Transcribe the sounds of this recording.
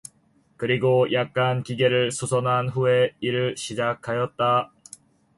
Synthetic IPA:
kɯɾiɡojʔak̚k͈ankiɡe̞ɾɯɭsʰosʰʌnɦanɸue̞iɾɯɭɕʰid͡ʑakʰajʌt̚t͈a

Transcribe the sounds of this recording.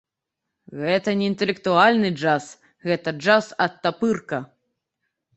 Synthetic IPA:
ɣɛt̪ɐnʲɛint̪ɛlʲɛk̚t̪ualʲnɨd͡ʐas | ɣɛt̪ɐd͡ʐasɐt̪ːapɨrkɐ

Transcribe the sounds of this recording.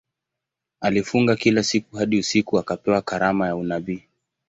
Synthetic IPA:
alifuŋɡakilasikuhaɗiusikuakapɛwakaɾamajaunaɓiː

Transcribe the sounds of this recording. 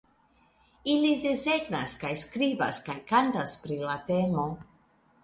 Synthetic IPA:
ilidese̞ɡnaskajskɾibaskajkantaspɾilat̪e̞mo̞

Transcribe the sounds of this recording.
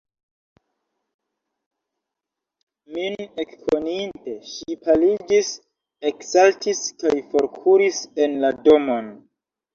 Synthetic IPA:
mine̞kkʰoninte̞ʃipalid͡ʒis | e̞ksaltiskajfo̞ɾkʰuɾise̞nlado̞mo̞n

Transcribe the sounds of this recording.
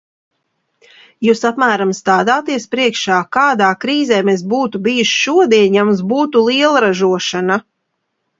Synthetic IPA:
juːsapmæːɾamst̪aːd̪aːt̪iɛspɾiɛkʃaːkaːd̪aːkɾiːzɛːmesbuːt̪ubijuʃʃuɔd̪iɛɲjamusbuːt̪ulˠiɛlˠɾaʒuɔʃana

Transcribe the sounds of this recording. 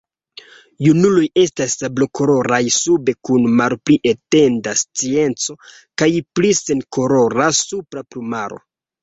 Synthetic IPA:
junuloje̞stasabloko̞ɾo̞ɾajsube̞kunmalpliʔete̞ndast͡sie̞nt͡so̞ | kajplisenkoɾo̞ɾasupɾaplumaɾo̞̰

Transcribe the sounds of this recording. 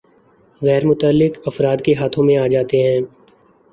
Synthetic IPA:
ɣɛːɾmʊt̪əlːɪkɐfɾaːd̪keɦaːt̪ʰõmẽaːd͡ʒaːt̪eɦɛ̃ː

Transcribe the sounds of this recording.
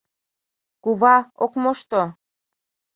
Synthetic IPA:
kuβɑokmoʃt̪o

